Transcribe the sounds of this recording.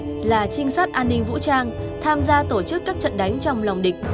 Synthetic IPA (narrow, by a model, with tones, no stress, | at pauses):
laː˨˩t͡ɕï˧ŋ̟saː˦˥t̚ʔaː˧nːï˧ŋ̟v̰t͡ɕaː˧ŋ | t̪ʰaː˧mzaː˧t̪o˧˩t͡ɕɨ˦˥kːaː˦˥k̚t͡ɕə̰˧˨nɗa˨˦jŋ̟t͡ɕɔ˧wŋ͡mla˨˩wŋ͡mɗï˨˩k̟̚